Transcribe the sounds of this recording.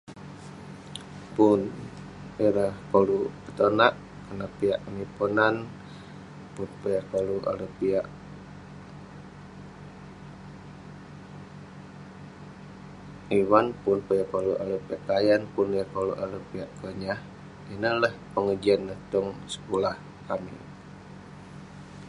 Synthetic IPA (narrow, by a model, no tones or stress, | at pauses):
pun | iɾəhkolupət̪onaʔ | kənapiaʔnipunan | punpəjakoluʔa̰lupiaʔ | iwanpunpəjakoluʔa̰lupiaʔkajanpunikolṵʔalupiaʔkəɲah | inələhpəŋəd͡ʒianːəht̪ɔŋsə̥kulah | kamḭ